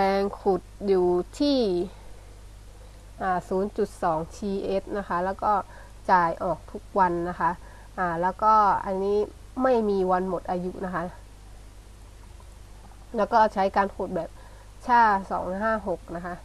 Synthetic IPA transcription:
ɛː˧ŋkʰu˨˩t̪̚juː˨˩t̪ʰiː˥˩ | ʔaː˨˩suː˩˦nt͡ɕu˨˩t̪̚sɔː˩˦ŋt͡ɕʰiː˧ʔeː˦˥t̪̚na˦˥kʰa˦˥lɛː˦˥wkɔː˥˩ | t͡ɕaː˨˩jʔɔː˨˩k̚t̪ʰu˦˥k̚wa˧nːa˦˥kʰa˦˥ʔ | ʔaː˨˩lɛː˦˥wkɔː˥˩ʔa˧nːiː˦˥ | ma˥˩jmiː˧wa˧nmo˨˩t̪̚ʔaː˧ju˦˥ʔna˦˥kʰa˦˥ | lɛː˦˥wkɔː˥˩t͡ɕʰa˦˥jkaː˧nkʰu˨˩t̪̚bɛː˨˩p̚ | t͡ɕʰaː˥˩sɔ̰ː˩˦ŋɦaː˥˩ɦo˨˩k̚na˦˥kʰa˦˥ʔ

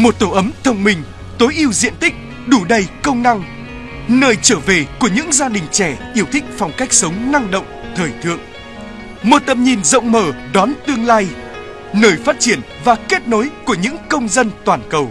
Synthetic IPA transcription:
mo˨˩t̚t̪o˧˩ʔə˨˦mt̪ʰə˧wŋ͡mmï˧˩ŋ̟ | t̪o˨˦jʔi˧əwzḭ˧˨ənt̪ï˦˥k̟̚ | ɗu˧˩ɗə˧jkə˧wŋ͡mna˧ŋ | nəː˧˩jt͡ɕəː˧˩ve˨˩ku˧˩əɲɨ̰˧˥ŋzaː˧ɗï˨˩ŋ̟t͡ɕɛ˧˩ʔi˧˦˩əwt̪ʰï˦˥k̟̚fa˨˩wŋ͡mka˦˥jk̚sə˨˦wŋ͡mna˧ŋɗo̰˧˨wŋ͡mt̪ʰəː˨˩jt̪ʰɨ̰˧˨əŋ | mo˨˩t̚t̪ə˨˩mɲi˨˩nzə̰˧˨wŋ͡mməː˧˩ɗɔ˨˦nt̪ɨ˧əŋlaː˧j | nəː˨˩jfaː˦˥t̚t͡ɕi˧˩ən | vaː˨˩ke˦˥t̚no˨˦jku˧˩əɲɨ̰˧˥ŋkə˧wŋ͡mzə˧nt̪waː˨˩nkə˨˩w

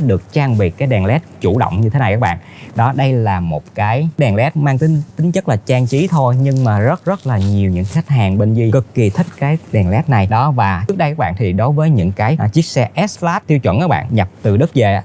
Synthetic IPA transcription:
ɗɨ˨˩ək̚t͡ɕaː˧ŋɓi˨˩kaː˨˦jɗɛ˨˩nlɛ˦˥t̚t͡ɕu˧˩ɗo̰˧˨wŋ͡mɲɨ˧t̪ʰe˨˦na˨˩jkaː˦˥k̚ɓa̰ː˧˨n | ɗɔ˨˦ɗə˧jlaː˨˩mo˨˩t̚kaː˨˦jɗɛ˨˩nlɛ˦˥t̚maː˧ŋt̪i˨˦t̪ï˨˦ŋ̟t͡ɕə˦˥k̚laː˨˩t͡ɕaː˧ŋt͡ɕi˨˦t̪ʰo˧jɲɨ˧ŋmaː˨˩zə˦˥t̚zə˦˥t̚laː˨˩ɲi˨˩əwɲɨ̰˧˥ŋxa˦˥jk̟̚ɦaː˨˩ŋɓe˧nzi˧kɨ˨˩kːi˨˩t̪ʰï˦˥k̟̚kaː˨˦jɗɛ˨˩nlɛ˦˥t̚na˨˩jɗɔ˨˦vaː˨˩t͡ɕɨ˦˥ək̚ɗə˧jkaː˦˥ɓa̰ː˧˨nt̪ʰi˨˩ɗo˨˦jvəː˨˦jɲɨ̰˧˥ŋkaː˨˦jt͡ɕi˦˥ək̚sɛ˧ʔɛ˦˥slaː˦˥t̪ʰːi˧əwt͡ɕwə˧˨nʔaː˨˦˥ɓ̰ːnɲa˨˩p̚t̪ɨ˨˩ɗɨ˦˥k̚ze˨˩

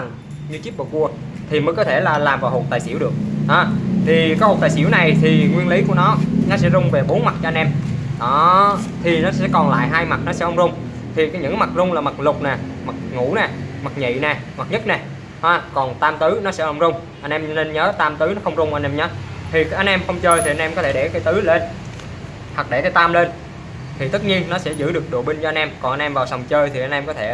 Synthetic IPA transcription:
a˨˩ŋ | ɲɨ˧t͡ɕi˦˥p̚ɓə̰˨˩ku˧ə | t̪ʰi˨˩məː˨˦jkɔ˨˦t̪ʰe˧˩laː˨˩laː˨˩mvaː˨˩who˨˩t̚t̪aː˨˩sḭ˧˥əwɗɨ˨˩ək̚ɗɔ˨˦t̪ʰi˨˩ka˨˦jho˨˩t̪aː˨˩jsḭ˧˩əwna˨˩jt̪ʰi˨˩ŋwi˧ənli˨˦ku˧˩ənɔ˨˦nɔ˨˦sɛ̰˧˥zʊ˧ŋ͡mve˨˩ɓo˨˦nma˨˩t̚t͡ɕɔ˧a˧nʔɛ˧mɗɔ˨˦t̪ʰi˨˩nɔ˨˦sɛ̰˧˥kɔ˨˩nla̰ː˧˨jɦaː˧jma˨˩t̚nɔ˨˦sɛ̰˧˥ʔə˧wŋ͡mzʊ˧wŋ͡m | t̪ʰi˨˩kɔ˨˦ɲɨ̰˧˥ŋma˨˩t̚zʊ˧ŋ͡mlaː˨˩ma˨˩k̚lʊ˨˩k͡p̚nɛː˨˩ma˨˩k̚ŋṵ˧˥nɛ˨˩ma˨˩k̚ɲḭ˧˨nɛ˨˩ma˨˩t̚ɲə˦˥t̚nɛ˨˩ | haː˧˩kɔ˨˩nt̪aː˧mt̪ɨ˨˦nɔ˨˦sɛ̰˧˥ʔə˧wŋ͡mzʊ˧ŋ͡m | ʔa˧jnʔɛ˧mne˧nɲəː˨˦t̪aː˧mt̪ɨ˨˦nɔ˨˦xə˧wŋ͡mzʊ˧ŋ͡mʔa˧nʔɛ˧mɲəː˨˦t̪ʰi˨˩kːʔa˧jnʔɛ˧mxə˧wŋ͡mt͡ɕəː˧jt̪i˨˩a˧jnʔɛ˧mkɔ˨˦t̪ʰe˧˩ɗɛ˧˩kaː˨˦jt̪ɨ˨˦le˧n | thə˨˩k̚ɗe˧˩kaː˨˦t̪aː˧mle˧n | t̪ʰi˨˩t̪ɨ˦˥t̚ɲi˧ənːɔ˨˦sɛ̰˧˥zɨ̰˧˥ɗɨ˨˩ək̚ɗo̰˧˩ɓi˧ŋt͡ɕɔ˧ʔa˧jnʔɛ˧mkɔ˨˩nʔa˧nʔɛ˧mvaː˨˩wsa˨˩wŋ͡mt͡ɕəː˧jt̪ʰi˨˩ʔa˧jnʔɛ˧mkɔ˨˦t̪ʰe˧˩

